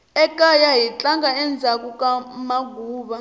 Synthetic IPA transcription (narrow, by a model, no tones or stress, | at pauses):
ɛkʼajaɦit͡ɬʼaŋɡaɛnd͡zʱak̬ʼukʼamaɡʱuːɓa